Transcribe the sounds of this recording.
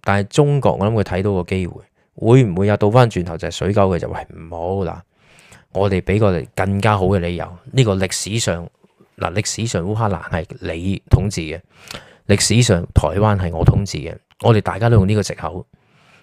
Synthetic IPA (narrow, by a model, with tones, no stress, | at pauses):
t̪aː˨nɐ˨jt͡sʊ˥ŋkɔ̰˧ŋɔ̰ː˧lɐ˨˥mkʰːt̪ʰɐ˨˥jt̪o˨˥wkɔː˧ke˥jwṵː˨˩j | wʔuː˨˧jm̩˨˩wu˨˧jɐ˨˧wt̪o˧wfaː˥nt͡ʃyː˨nt̪ʰɐ˨˩wt͡sɐ˨˩hɐ˨˩sɵ˨˥ɥkɐ˨˥wkɛː˧t͡sɐ̰˨wɐ˥jm̩˨˩ho˨˧˥wla̰ː˨˩ | ŋɔː˨˧t̪e˨jpe˨˥jkɔː˧le˨kɐ˧ŋkaː˥ɦo˨˥wkɛː˧le˨˧jɐ̰˨˧wniː˥kɔː˧lɪ˨k̚siː˨˥sœː˨ŋ | la̰ː˨˩lɪ˨k̚siː˨˥sœː˨ŋwuː˥ɦaː˥la̰ː˨˩nhɐ˨jle˨˧jt̪ʰʊ˨˥ŋt͡siː˨˩kɛ˧ | lɪ˨k̚siː˨˥sœː˨ŋt̪ʰɔ̰ː˨˩jwaː˥nɦɐ˨jŋɔː˨˧t̪ʰʊ˨˥ŋt͡sḭː˨˩kɛ̰ː˧ | ŋɔː˨˧t̪e˨jt̪aː˨jkaː˥to˥wjʊ˨ŋniː˥kɔː˧ɪ˨k̚hɐ̰˨˥w